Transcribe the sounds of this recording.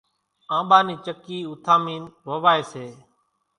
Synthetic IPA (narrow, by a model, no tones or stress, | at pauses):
ãːɓaːniːt͡ʃəkiːʊt̪ʰaːmiːnʋəʋaːeːseː